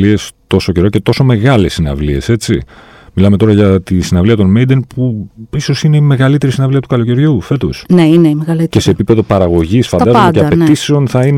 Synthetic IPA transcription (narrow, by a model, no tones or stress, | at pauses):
ie̞st̪o̞so̞ce̞ɾo̞ce̞t̪o̞so̞me̞ɣɐle̞sinɐ̰vlie̞̰se̞t͡sḭ | milɐmet̪o̞ɾɐʝɐt̪isinɐvliɐt̪o̞nmejd̪enpuiso̞sine̞ime̞ɣɐlit̪e̞ɾisinɐvliɐt̪ukɐlo̞ce̞ɾʝufe̞t̪o̞̰sneineimeɣɐlceseːpipe̞ðo̞pɐɾɐɣo̞ʝisfɐnɐzod̪ceɐpet̪ise̞o̞nθɐin